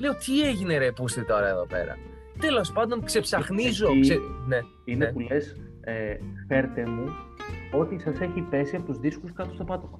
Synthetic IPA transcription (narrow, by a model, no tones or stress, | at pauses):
le̞o̞t̪ie̞ʝine̞ɾepust̪it̪o̞ɾɐeðo̞̰pe̞̰ɾɐ̰ | t̪e̞lo̞spɐnd̪o̞nkse̞psɐxnizoksene̞ | inepule̞s | efe̞ɾet̪emuo̞t̪isɐse̞çipe̞siɐpo̞t̪uzðiskuskɐt̪ost̪opɐt̪omɐ